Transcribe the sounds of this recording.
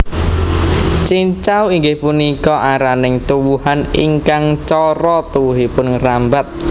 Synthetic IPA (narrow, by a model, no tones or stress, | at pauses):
t͡ʃiɲt͡ʃawiŋɡɪhpunikɔʔaɾanɪŋt̪uwuhaniŋkaŋt͡ʃɔɾɔt̪uwuɦipʊnŋrambat̪̚